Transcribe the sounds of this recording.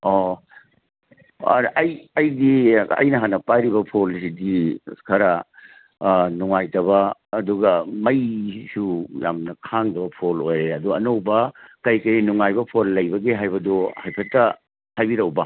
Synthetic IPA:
o | ɾʔɐjɐjdiɐ̰jnɐɦanɐpajɾibɐpʰolsidikʰɐɾɐ | nuŋajtɐbɐːduɡɐmɐjsuja̰mnɐkʰaŋdɐbɐpʰolojɾeɐduɐnowbɐkɐjkɐjnuŋajbɐpʰolːɐjbɐɡeɦajbɐdohajpʰɐtːɐ | hajbiɾɐwbɐ

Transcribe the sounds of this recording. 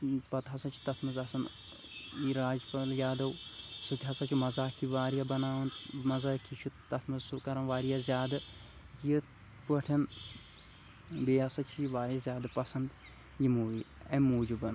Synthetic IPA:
pɐt̪ɦɐsɐt͡ʃʰu̥t̪ɐt̪ʰmɨzɐsɐn | iɾaːd͡ʒpɐljaːd̪ɐwsut̪ʰʲɐsɐt͡ʃʰumɐzaːkʰiʋaːɾijɐbɐnaːʋɐnmɐzaːkʰit͡ʃʰut̪ɐt̪ʰmɨzsukɐɾɐnʋaːɾijazʲjaːd̪ɨ | ji | pəʈʰɐn | beːɐsɐt͡ʃʰiiʋaːɾijɐzʲaːd̪ɨpɐsɐnd̪ | jimuːʋiɐmoːd͡ʒubɐn

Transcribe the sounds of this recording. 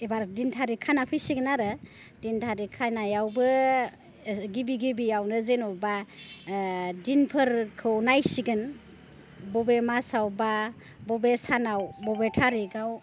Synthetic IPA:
ebaɾdintʰaɾikʰanapʰɯjsiɡɯnaɾɯ | dintʰaɾikʰajnajawbɯ | ɡibiɡibiawnɯzenɔba | dinpʰɯɾkʰɯwnajsiɡɯn | bɔbemasawba | bɔbesanawbɔbetʰaɾiɡaw

